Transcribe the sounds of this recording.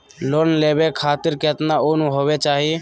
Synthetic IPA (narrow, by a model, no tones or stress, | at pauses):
loːnleːbekʰaːt̪ɪɾket̪naoːnũɦoːʋet͡ʃaːɦi